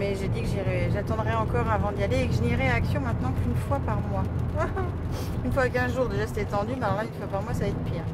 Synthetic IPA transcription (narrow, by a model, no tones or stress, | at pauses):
mɛʒed̪ikəʒiʁɛʒat̪ɑ̃d̪ʁɛɑ̃kɔʁavɑ̃d̪aleːkəʒəniʁeaksjɔ̃mɛ̃t̪nɑ̃kynfwapaʁmwa | ynfwakɛ̃ʒuʁd̪eʒase̥t̪ɛt̪ɑ̃d̪ymalɔʁlaynfwapaʁmwasaɛt̪epiːʁ